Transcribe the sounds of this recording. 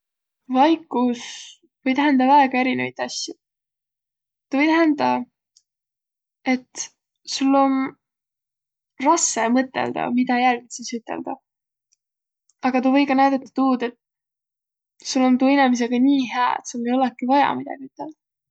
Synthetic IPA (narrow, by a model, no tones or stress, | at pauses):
vɑjkːˑus | vɤ̞jt̪æɦænd̪ɑvæeɡ̥ɑe̞ɾinevɑjt̪ːˑɑsːji | ɑvɤjt̪æɦænd̪ɑ | e̞t̪ː | sulːo̞n | rɑsːemɤt̪ːˑḛld̪̥ɑ̰mid̪ɑjælɡit̪sisyt̪ːˑe̞̰ld̪̥ɑ | ɑɡɑt̪uːvɤ̞jɡɑnæjd̪̥ɑt̪ːɑ̥t̪uːd̪e̞t̪ | sulːo̞nt̪uːinemis̬e̞ɡ̥ɑnʲiːɦeɑḛt̪soŋɡejo̞lekːˑivɑjɑ̰mid̪ɑ̰ɡ̥iyt̪ːˑeld̪̥ɑ